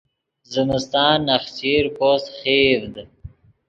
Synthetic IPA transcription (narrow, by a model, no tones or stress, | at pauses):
zɪmɪst̪ɑːnːɐxsiːɾposxiːvd̪